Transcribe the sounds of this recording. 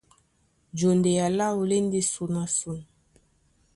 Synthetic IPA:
d͡ʒo˨nde˨ja˨la˦o˨le˦nde˦su˨na˨su˨n˨

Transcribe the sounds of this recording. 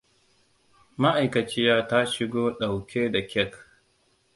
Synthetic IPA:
ma˦ʔa˨jkɐ˨t͡ʃɪ˦jaː˦ta˦ʃɪ˦ɡoː˦ɗa˨wkʲe˦da˨kʲɛ˦k

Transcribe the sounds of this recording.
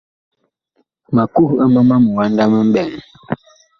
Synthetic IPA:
ma˨ku˦hə˦ma˦ma˦mə˨wa˦n˦da˦mə˦m̩˦bɛ˨ŋ

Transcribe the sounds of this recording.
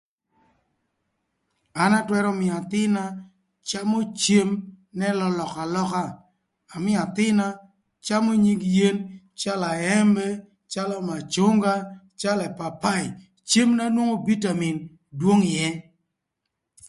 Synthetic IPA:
a˨na˦twɛ˦ɾɔ˦mɪ˨a˨t̪ɪ˦na˦ | t͡ʃa˦mo˦t͡ʃe˦m | nɛ˦lɔ˦lɔ˨ka˨lɔ˦kaː˦˨ | mɪ˦a˨t̪ɪ˦na˦ | t͡ʃa˦mo˦ɲi˦ɡje˦n | t͡ʃa˦la˨ɛ˦mbɛ˦ | t͡ʃa˦lɔ˦ma˨t͡ʃo˦ŋɡa˦ | t͡ʃa˦lɛ˨pa˨pa˦˨ɪ˨ | t͡ʃe˦mna˦nwo˦ŋo˦bi˦ta˨mi˨n | dwo˦ŋɪ˨jɛ˦

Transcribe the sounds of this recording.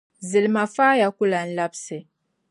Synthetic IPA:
zi˨lma˨fa˦ja˨ku˦la˨n̩˦la˦psɛ˨

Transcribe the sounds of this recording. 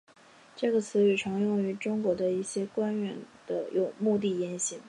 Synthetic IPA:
ʈ͡ʂɤ˥˩ɡə˩t͡sʰɹ̩˧˥y˨˩ʈ͡ʂʰɤ˧˥ŋjʊ˥˩ŋy˧˥ʈ͡ʂʊ˥ŋkwɔ˧˥d̪ə˧i˥˩ɕjɛ˥kwa˥nɥɛ˧˥nd̪̥ə̰˧jʔo˨˩ʊmu˥˧t̪̬i˥˩jɛ˧˥nɕi˧˥ŋ

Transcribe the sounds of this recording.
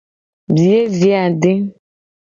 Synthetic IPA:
bi˨je˦vi˨˦a˨ɖe˦

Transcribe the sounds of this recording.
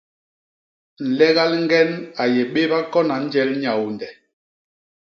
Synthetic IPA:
n̩˨lɛ˦ɣa˦lŋ̩˦ɡɛ˦na˨jɛ˨ɓe˦ba˦kɔ˦na˨n̩˦d͡ʒɛ˦lɲa˨wndɛ˨

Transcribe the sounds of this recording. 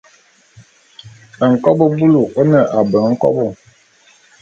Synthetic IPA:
ə˨ŋ̩˨kɔ˦bə˦bu˦lu˨ʔə˦nə˨ʔa˨bə˨˦ŋ̩˦kɔ̰˦bɔ˦˨

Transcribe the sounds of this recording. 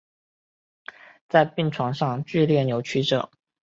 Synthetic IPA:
t͡sa˥˧ɪpi˥˩ŋʈ͡ʂʰwɑ˧˥ŋʂɑ˥˧ŋt͡ɕy˥˧ljɛ˥˩njo˧˥ʊt͡ɕʰy˥ʈ͡ʂɤ̰˨˩˦

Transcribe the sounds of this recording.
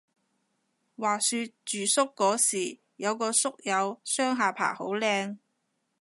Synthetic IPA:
waː˨syː˧t̚t͡ʃyː˨˩sʊ˥kːɔː˨˥siː˨˩ | jɐ˨˧wkɔː˧sʊ˥k̚jɐ˨˧wsœː˥ŋɦaː˨pʰa̰ː˨˩ho˨˥wlɛː˧ŋ

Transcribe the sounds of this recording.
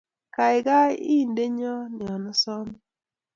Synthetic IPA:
ka˨ɪ˨ɡa˦i˦˨nde˦ɲɔ˦nɪ˨ɔ˨nɔ˦sɔ˦m

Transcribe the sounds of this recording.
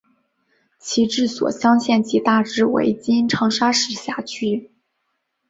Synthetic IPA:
t͡ɕʰi˧˥ʈ͡ʂɻ̩˥˩swɔ̰˨˩ɕjɑ˥ŋɕjɛ˥˩nt͡ɕʰi˧˥t̪a˥˩ʈ͡ʂɻ̩˥˩wḛ˧˥ɪt͡ɕi˥nʈ͡ʂʰɑ˧˥ŋʂa˥ʂɻ̩˧˩ɕja˥˩t͡ɕʰy˥

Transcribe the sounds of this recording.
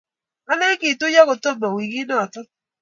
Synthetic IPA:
a˦nɛ˦ki˨tʊ˦ja˦kʊ˨to˦mo˨wi˨ɡi˦nɔ˦˨tɔ˦

